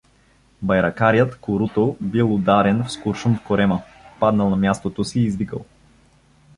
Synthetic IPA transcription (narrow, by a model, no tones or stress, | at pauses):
bɐjɾɐkaɾjət̪koɾut̪obilˠʊd̪aɾɛnfskuɾʃumfkoɾɛmə | pad̪nɐlˠnɐmjast̪ot̪osiːzvikə̰lˠ